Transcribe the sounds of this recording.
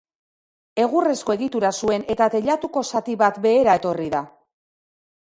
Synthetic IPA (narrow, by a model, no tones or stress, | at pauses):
e̞ɣure̞sko̞e̞ɣit̪uɾasue̞ne̞t̪at̪e̞ʎat̪uko̞sat̪iβat̪be̞ːɾae̞t̪o̞riða